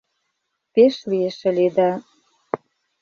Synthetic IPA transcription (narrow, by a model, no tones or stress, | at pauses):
peʃlieʃĕled̪ɑ